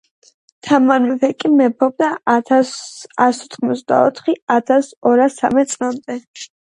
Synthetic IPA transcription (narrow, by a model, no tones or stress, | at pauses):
t̪ʰamanmɛvɛkʼimɛpʰɔb̚d̪a | asɔt̪ʰχmɔt̪sʰd̪a̰ɔ̰t̪ʰχiat̪ʰasɔɾasa̰mɛt̪sʼlamd̪ɛ